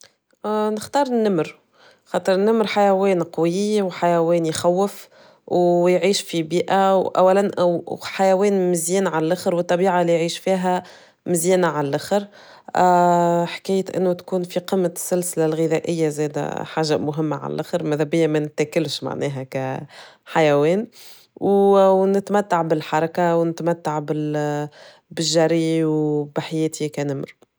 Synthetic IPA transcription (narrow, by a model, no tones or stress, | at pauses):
nɪxt̪ɑːɾˤnːɪmɾ | xɑːt̪ˤəɾˤnːamɾħajæwɛːnqɑwɪwħajæwɛːnjxæwːɪf | wjʕiːʃfibiːʔawʔæ̰wːælænʔħajæwɛːnmɪzjiːnʕallʔaxɾwət̪ˤːɑbiːʕalijʕiːʃfiːɦæ | mɪzjiːnaʕallʔaxɾ | ħḁkæjət̪ʔɪ̰nːut̪kuːnfiqəmːasːælsɪlalɣɪðæʔɪjːazɛːd̪æ̰ħaːʒamʊɦɪmːaʕa̰l̰lʔæ̰xɾmæðæbɪjːamænɪt̪ːækɪlʃma̰ʕnɛːɦækæħajæwɛːn | wnɪt̪mæt̪ːaʕbɪlħɑɾˤɑkawnɪt̪mæt̪ːaʕbɪl | bɪʒːæɾiwbɪħajɛːt̪ʰikænɪmɾ